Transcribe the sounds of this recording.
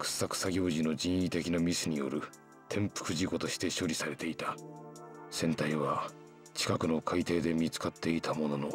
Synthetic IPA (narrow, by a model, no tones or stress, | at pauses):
kɯ̟̥sːakɯ̟̥saɡʲo̞ːʑino̞d͡ʑĩɰ̃it̪e̞kʲinamʲisɨɲ̟ijo̞̰ɾɯ̟ | t̪ʰẽ̞mpɯ̟̥kɯ̟ʑiko̞t̪o̞ɕi̥t̪e̞ɕo̞ɾʲisaɾe̞t̪e̞it̪a | sẽ̞nt̪aiβa | t͡ɕi̥kakɯ̟no̞kʰait̪e̞ːd̪e̞mʲit͡sɨ̥kat̪ːe̞it̪ʰamo̞no̞no̞